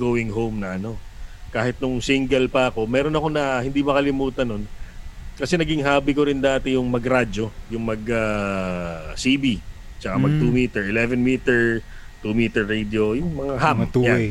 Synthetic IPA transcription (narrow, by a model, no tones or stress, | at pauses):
ɡowɪŋɦowmnɐʔɐno̞kaːhɪt̪̚nʊŋsiŋɡɛlpɐɐko̞mɛːɾo̞nɐko̞nɐhɪnd̪imɐkɐlɪmuːt̪ɐnːo̞nkɐsɛnɐɡɪŋɦaːbɪkoɾɪnd̪aːt̪ɛjʊŋmɐɡɾad͡ʒo̞jʊŋmɐɡa | sibi | t͡ʃɐkamɐɡ̚t̪umiːt̪ɛɹʔɪlɛvɛnmit̪ɛɹ | t̪umiːt̪ɛɹːed̪jo̞jʊŋmɐŋahamja